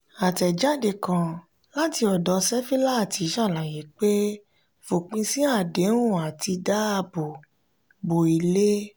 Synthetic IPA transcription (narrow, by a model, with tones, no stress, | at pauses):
a˨tɛ˨d͡ʒa˦˨de˧˨kã˨ | la˦ti˧ɔ˨dɔ˨˦sɛ˦fi˦la˦a˦˨ti˨˧˦ʃã˦˨la˨je˨˦k͡pe˦ | fo˨k͡pĩ˧sĩ˦a˦˨de˨˦ɾ̃ũ˦˨a˨ti˧da˦a˧bo˨ | bo˨i˨le˦